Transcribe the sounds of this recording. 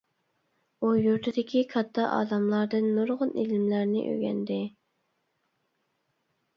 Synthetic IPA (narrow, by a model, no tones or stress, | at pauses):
ujuɾt̪ʰɪd̪ɪkʲʰikʰɑt̪ʰːɑʔɑ̰ːd̪ɑmlˠɑɾd̪ɨnːoɾʁʊnʔelɪmlæɾnɪ̰ʔø̰ɡʲɛ̰nd̪ɪ